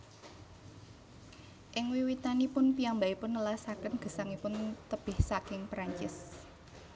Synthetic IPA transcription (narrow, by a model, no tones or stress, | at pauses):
ʔɪŋwiwit̪anipʊnpiambaipʊnːəlasakənɡ̥ə̤saŋipʊnt̪əb̥ɪhsakɪŋpɾaɲt͡ʃɪs